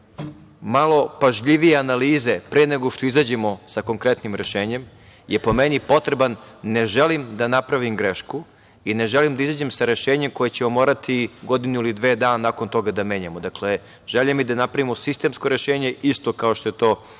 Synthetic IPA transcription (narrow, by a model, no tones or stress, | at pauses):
malˠo̞paʒʎiʋijeanaliːze̞pɾeneɡoʃt̪oizad͡ʑemo̞sako̞ŋkɾe̞t̪nimɾe̞ʃe̞ːɲe̞m | jepo̞menipo̞t̪ɾe̞banːe̞ʒelimd̪anapɾaʋimɡɾeʃku | ine̞ʒelimd̪aizaːd͡ʑe̞msaɾe̞ʃeːɲemko̞jet͡ɕemomoːɾat̪ʰiɡo̞d̪inuilid̪ʋeːd̪aːnanako̞nt̪o̞ɡad̪ame̞ːɲamod̪akle | ʒ̥eʎemid̪anapɾaʋimosist̪e̞ːmsko̞ɾe̞ʃeːɲe̞ist̪o̞kaoʃt̪o̞jet̪oː